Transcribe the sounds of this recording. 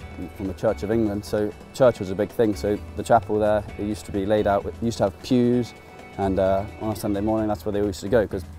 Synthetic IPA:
fə̃mðət͡ʃʰɜˑt͡ʃəvɪ̃ŋɡlə̃nd̥soʊ | t͡ʃʰɜˑt͡ʃwɒzəbɪɡ̥̚θɪ̃ŋsoʊðətʰɹ̥apəl̩ˠðə˞jʉˑstʰəbileɪɾaʊʔwjʉˑstʰəəv̥pʰj̥ʉz | ə̃nʌʔə̃nəsʌ̃ndeɪmɔɹnɪ̃ŋðatswə˞ðeɔljʉstəɡoʊkʰʌz

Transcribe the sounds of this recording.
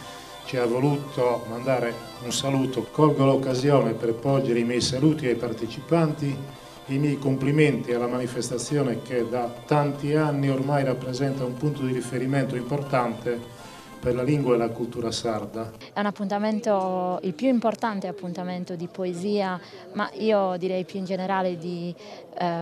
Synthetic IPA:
t͡ʃiavːoluːt̪ʰomand̪aːɾe | unsaluːt̪okɔlɡɔlaokːazjɔːnɛpɛrpɔld͡ʒɛɾeimɛjsaluːt̪iɛjpaɾt̪et͡ʃipant̪i | imɛjkompliment̪ialamanifɛst̪at̪sːjɔːnɛk̟ed̪at̪ːant̪ianːioɾmajɾapːɾɛzɛnt̪aumpunt̪od̪iɾifeɾimɛnt̪oimpɔɾt̪ant̪ɛ | pɛɾlaliŋɡwaɛlakult̪uːɾasaɾd̪a | ɛunapːunt̪amɛnt̪oilpjuimport̪ant̪eapːunt̪amɛnt̪od̪ipoeziːa | ma̰iːod̪iɾɛjpjuind͡ʒɛnɛɾaːled̪i

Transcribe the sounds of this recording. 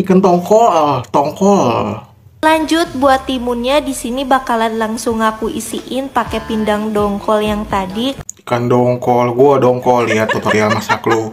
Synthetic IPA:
ikənt̪ɔŋkɔt̪ɔŋkɔl | laɲd͡ʒʊt̪̚buat̪ːimunɲadisinibakalanlaŋsʊŋakuḭsiʔɪnpakepindaŋdɔŋkɔljaŋt̪adikandɔŋkɔlɡuadɔŋkɔliat̪ːot̪aɾialmasaklu

